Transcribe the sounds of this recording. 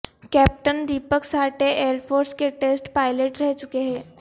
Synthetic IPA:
kɛːp̚ʈənd̪iːpəksaːʈeʔeːəɾpʰoːɾskeʈeːsʈpaːɪleʈɾɛɦt͡ʃʊkeɦɛ̃ː

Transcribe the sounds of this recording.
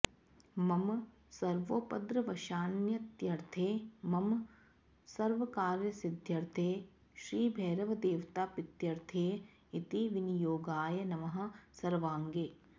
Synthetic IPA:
mɐm | sɐɾʋoːpɐd̪ɾɐʋɐʃaːnjɐt̪jɐɾt̪ʰeːmɐm | sɐɾʋɐkaːɾjɐsɪd̪ʱjɐɾt̪ʰeː | ʃɾiːbʱɛːɾɐʋɐd̪eːʋt̪aːpɪt̪jɐɾt̪ʰeː | it̪iʋinjoːɡaːjɐnɐʋɐɦɐ̆sɐɾʋaːŋɡeː

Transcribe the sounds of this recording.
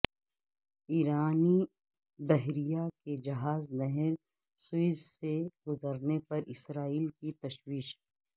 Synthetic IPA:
iːɾaːni | bɛɦɾijaked͡ʒɐɦaːznɛɦɛɾ | sʊɪzseɡʊzəɾnepɐɾɪsɾaːiːlkit̪ɐʃwiːʃ

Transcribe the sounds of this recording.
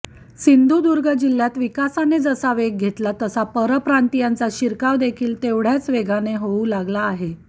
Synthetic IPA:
sind̪ʱud̪uɾɡʱəd͡ʑil̤jat̪ʋikasaned͡zəsaʋeɡ̚ɡʱet̪lat̪əsapəɾəpɾant̪ijant͡saɕiɾkaʋd̪ekʰiːlt̪eʋɽ̤jat͡sʋeɡʱaneɦouːlaɡlaːɦe

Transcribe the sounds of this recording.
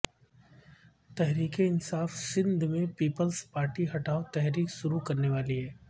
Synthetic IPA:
t̪ɛɦɾiːkeɪnsaːfsɪ̃nd̪ʱmẽpiːpəlspaːɾʈiɦɐʈaːot̪ɛɦɾiːkʃʊɾukɐɾneʋaːliɦɛː

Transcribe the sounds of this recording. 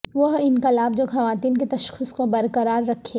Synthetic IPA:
ʋɐɦɪnkɐlaːbd͡ʒoːxɐʋaːt̪iːnket̪ɐʃxʰʊskobɐɾkəɾaːɾːɐkʰːe

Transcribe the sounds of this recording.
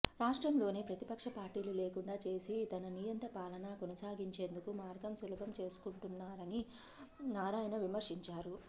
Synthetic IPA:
ɾaːʂʈɾɐmlo̞ːneːpɾɐt̪ipɐkʂɐpaːɾʈiːlule̞ːkuɳɖaːt͡ʃe̞ːsit̪ɐnɐnijɐnt̪ɐpaːlɐnaːkɔnɐsaːɡiɲt͡ʃe̞ːnd̪ukumaːɾɡɐmsulɐbʱɐmt͡ʃe̞ːsu̥kuɳʈunːaːɾɐni | naːɾaːjinɐʋimɐɾʂiɲt͡ʃaːɾu

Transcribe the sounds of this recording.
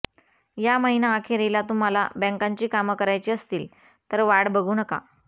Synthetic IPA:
jaməɦinaːkʰeɾelat̪um̤ala̰bɛ̃ŋkaɲt͡ɕiːkaməkəɾajt͡ɕiːəst̪iːl | t̪əɾʋaɽbəɡʱuːnəka̰

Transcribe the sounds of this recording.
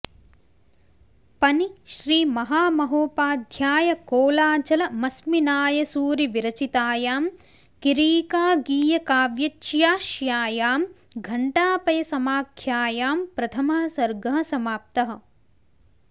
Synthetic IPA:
pɐniʃɾiːmɐɦaːmɐɦoːpaːd̪ʱjaːjɐkoːlaːt͡ʃɐlɐmɐsminaːjɐsuːɾiʋiɾɐt͡ʃit̪aːjaːm | kiɾiːkaːɡiːjɐkaːʋjɐt͡ʃjaːʃjaːjaːm | ɡʱɐɳʈaːpɐjɐsɐmaːkʰjaːjaːmpɾɐt̪ʰɐmɐɦɐsɐɾɡɐɦɐ̆sɐmaːp̚t̪ɐɦɐ̆

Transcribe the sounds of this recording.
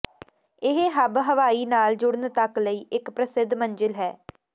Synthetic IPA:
ɪɦɦəbɦəʋaːiːnaːld͡ʒʊɽənt̪əkləiːʔɪkpɾəsɪd̪mənd͡ʒəlɦɛː

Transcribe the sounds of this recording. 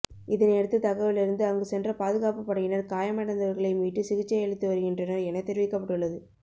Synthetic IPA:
ɪðɐnɛɽɯt̪ːɯt̪ɐɣɐʋɪlɪɾɯnd̪ɯɐɐŋɡɯsɛndrɐpaːðɯɣaːpɯpːɐɽɐɣɪnɐɾkaːjɐmɐɽɐnd̪ɐʋɐɾɣɐɭɐɪmiːʈːɯsɪɣɪt͡ʃːɐɛɻɪt̪ːɯʋɐɾɯɣɪndrɐnɐɛnɐt̪ɛɾɪʋɪkːɐpːɐʈːɯɭːɐðɯ

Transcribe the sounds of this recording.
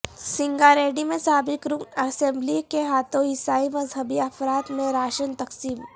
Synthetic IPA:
sɪ̃ŋɡaɾeːɖimẽsaːbɪkɾʊknɐsẽmblikeɦaːt̪õɦɪsaːimɐzɦəbiɐfɾaːt̪mẽɾaːʃənt̪ɐksiːm

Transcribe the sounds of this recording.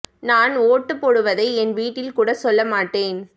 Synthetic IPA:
naːnoːʈːɯpːɔːɽɯʋɐðɐɪɛnʋiːʈːɪlkuːɽɐsɔlːɐmaːʈːeːn

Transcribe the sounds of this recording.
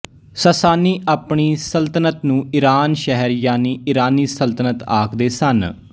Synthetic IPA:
səsaːniːʔaːpɳiːsəlt̪ənət̪nũːɪɾaːnʃɛɦəɾjaːniːɪɾaːniːsəlt̪ənət̪a̰ːkd̪eːsən

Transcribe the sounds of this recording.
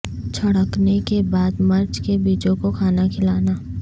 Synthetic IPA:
t͡ʃʰɐɽəknekebaːd̪mɐɾt͡ʃkebiːt͡ʃõkokʰaːnakʰɪlaːnaː

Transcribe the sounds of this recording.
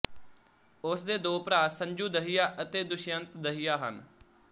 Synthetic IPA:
ʊsd̪eːd̪oːpɾaːsəɲd͡ʒuːd̪əɦɪjaːʔət̪eːd̪ʊʃjənt̪d̪əɦijaːɦə̰n

